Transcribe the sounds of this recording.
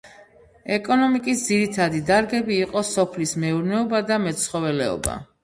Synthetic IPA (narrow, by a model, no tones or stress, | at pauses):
ɛkʼɔnɔmikʼisd̪ziɾit̪ʰad̪id̪aɾɡɛbiːqʼɔsɔpʰlismɛuɾnɛɔbad̪amɛt̪sχɔvɛlɛɔ̰ba̰